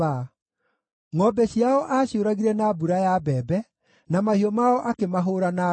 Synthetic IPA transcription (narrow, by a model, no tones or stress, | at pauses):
a | ŋɔbɛɕiaɔʔaːɕjoɾaɣiɾɛnabuɾajabɛːbɛ | namahiɔmaɔʔakemaɦoːɾana